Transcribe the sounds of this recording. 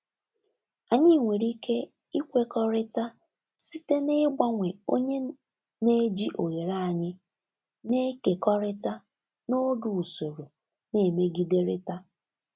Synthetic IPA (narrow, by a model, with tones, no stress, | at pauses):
a˨ɲɪ˦˨ŋʷe˨ɾi˦kʰe˦ | i˦kʷe˦kɔ˦ɾɪ˦ta˦ | si˦te˦ne˦ɡ͡ba˦ŋʷe˨o˦ɲe˦ | ne˦d͡ʒi˦ʔo˨ɣe˨ɾa˦a˨ɲɪ˦ | ne˦ke˨kɔ˦ɾɪ˦ta˦ | no˦ɡu˨u˨so˨ɾo˨ | ne˨me˦ɡi˦de˦ɾe˦ta˦